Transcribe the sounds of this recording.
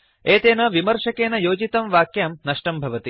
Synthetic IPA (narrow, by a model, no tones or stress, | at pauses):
eːt̪eːnɐʋimɐɾʂɐkeːnɐjoːd͡ʒit̪ɐmʋaːkjaːmnɐʂʈɐmbʱɐʋɐt̪i